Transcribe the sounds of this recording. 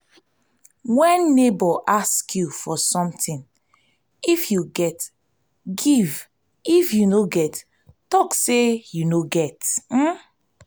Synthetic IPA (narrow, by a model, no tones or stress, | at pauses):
wɛ̃nːebɔʔaskʰjufɔsɔ̃mtĩn | ifjuɡɛt | ɡiv | ifjunoɡɛt | tɔksejunoɡɛtm̩